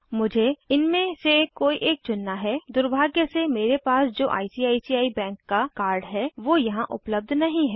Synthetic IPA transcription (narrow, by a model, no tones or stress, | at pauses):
mʊd͡ʒʱeɪnmẽsekoːiʔeːk̚t͡ʃʊnːaɦɛd̪ʊɾbʱaːɡjəsemeːɾepaːsd͡ʒo̰ːʔa̰ːisiːaːisiːaːibɛ̃ːŋkːakaːɾɖɦɛʋoːjɐɦãʔʊ̰pləb̚d̪ʱnɐɦĩɦɛː